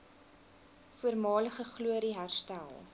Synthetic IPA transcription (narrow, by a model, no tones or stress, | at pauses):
fuərmɑːləχəχluəɾiɦærstælˠ